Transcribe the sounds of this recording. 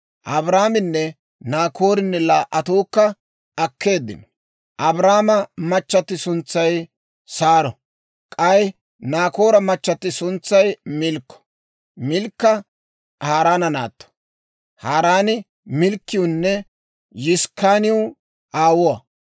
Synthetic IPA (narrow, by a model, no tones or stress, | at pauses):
ʔɐbɾaːmɪnːɛ | naːkʰo̞ːɾɪnːɛlaːʔɐt̪uːkːɐ | ɐkːe̞ːd̪ːɪ̰nɔ | ʔɐbɾaːmɐmɐt͡ʃːɐt̪ːɪsʊnt͡sːɐj | saːɾɔ | kʼɐj | naːko̞ːɾɐmɐt͡ʃːɐt̪ːɪsʊnt͡sːɐjmɪlkːɔ̥ | mɪlkːɐ | haːɾaːnɐnaːt̪ːɔ̥ | haːɾaːnɪ | mɪlkːɪjʊnːɛ | jɪskaːnɪʊ | ʔaːwʊwɐ